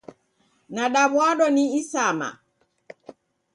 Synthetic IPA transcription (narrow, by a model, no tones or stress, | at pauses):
naɗaβwaɗɔniisama̰